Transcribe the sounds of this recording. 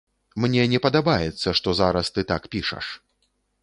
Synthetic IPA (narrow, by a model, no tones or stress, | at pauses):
mnʲɛnʲɛpɐd̪abajɛt̪sːɐʂt̪ɔzaɾɐst̪ɨt̪akpʲiʂɐ̰ʂ